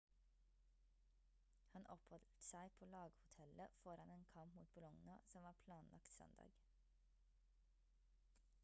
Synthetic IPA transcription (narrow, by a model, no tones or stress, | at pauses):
hɑnʔɔphɔlt̪sæɪpʰoːlɑːɡhʊt̪ʰɛləfɔɾɑneːnkʰɑmpmuːt̪̚bʊlɔŋnɑsɔmʋɑːpʰlɑːnlʔɑ̰kt̪sœ̰nd̪ɑ̰ːɡ